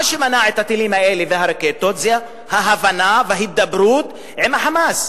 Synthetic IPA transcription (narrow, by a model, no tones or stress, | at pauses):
aʃemanaʕet̪hat̪ilimhaeleveɦaɾeket̪ot͡sja | haɦavanaveahit̪̚d̪abɾut̪ | ʕimaħamas